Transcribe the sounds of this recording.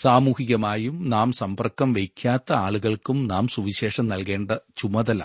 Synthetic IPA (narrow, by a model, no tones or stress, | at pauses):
saːmuːhiɣɐmaːjumnaːmsɐmbɐrkːɐmʋejkʲʰːaːt̪ːɐaːɭuɣɐɭkumnaːmsuʋiɕe̞ːʂɐmnɐlke̞ːɳɖɐt͡ɕumɐðɐla̰